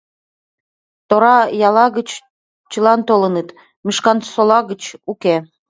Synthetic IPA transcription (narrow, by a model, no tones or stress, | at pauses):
t̪oɾɑjɑlɑɣət͡ɕ | t͡ɕəlɑnt̪olənət̪ | miʃkɑnsolɑɣə̆t͡ɕuke